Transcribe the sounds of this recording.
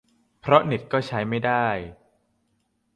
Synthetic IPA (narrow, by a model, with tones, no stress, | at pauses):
pʰɾɔ˦˥ni˨˩t̪̚kɔː˥˩t͡ɕʰa˦˥jma˥˩jdaː˥˩j